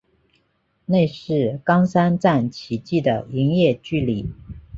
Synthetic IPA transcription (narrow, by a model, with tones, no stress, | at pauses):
ne˥˧ɪʂɻ̩˥˩kɑ˥ŋsa˥nt͡sa˥˩nt͡ɕʰi˨˩t͡ɕi˥˩d̪ə˩i˧˥ŋjɛ˥˧t͡ɕy˥˩li˨˩˦